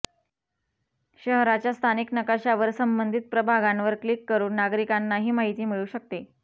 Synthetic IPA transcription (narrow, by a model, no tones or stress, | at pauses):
ɕəɦɾat͡ɕjast̪ʰaniknəkaɕaʋəɾsəmbənd̪ʱit̪̚pɾəbʱaɡanʋəɾklikːəɾuːnːaɡɾikanːaɦiːmaɦit̪iːmiɭuːɕək̚t̪e